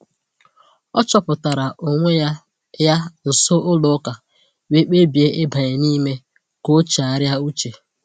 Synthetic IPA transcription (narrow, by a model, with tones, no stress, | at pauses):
ɔ˦t͡ʃɔ˦pʊ˨ta˨ɾa˨ʔo˨ŋʷe˦ja˦ | ja˦n̩˨so˦ʔʊ˦lʊ˨˦ka˨ | we˦k͡pe˦bje˦ɪ˦bʱa˨ɲe˨ni˦me˦ | ko˦t͡ʃa˨ɾja˦u˦t͡ʃe˨